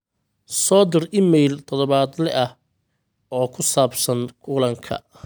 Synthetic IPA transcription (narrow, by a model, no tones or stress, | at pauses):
sɔːd̪ɪrɪmɛjlt̪ʰɔðɔβaːd̪lɛʔɐh | ɔːkʰʊsaːbsɐnkʰʊlɐŋkʰɐ̰